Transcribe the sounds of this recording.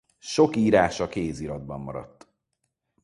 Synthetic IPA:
ʃo̞kiːɾaːʃɒkeːziɾɒd̪̚bɒmːɒɾɒ̰t̪ː

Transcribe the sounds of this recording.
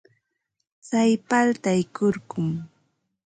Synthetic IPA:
t͡sajpalt̪ajkoɾɢʊm

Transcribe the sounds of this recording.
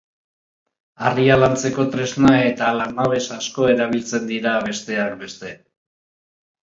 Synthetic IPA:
arialant͡se̞ko̞t̪ɾe̞znae̞t̪alamaβ̞e̞sasko̞e̞ɾaβ̞ilt͡se̞nd̪iɾaβ̞e̞st̪e̞ak̚be̞st̪e̞

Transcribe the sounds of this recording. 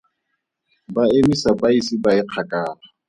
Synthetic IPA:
baemisabaisibaɪq͡χʰakʼaːla

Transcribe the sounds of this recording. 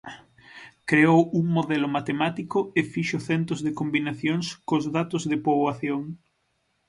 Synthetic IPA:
kɾeowuŋmoðɛlʊmat̪emat̪ikʊefiʃʊθɛnt̪ʊzðɪkombinaθjoŋskozðat̪ʊzðɪpoβaθjoŋ

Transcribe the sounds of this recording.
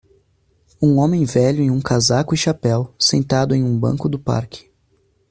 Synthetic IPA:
ũõmẽj̃vɛʎʊẽj̃ũkazakʊɪʃapɛwsẽnt̪ad̪ʊẽj̃ũbɐ̰̃ŋkʊd̪ʊpa̰ɾkɪ̥

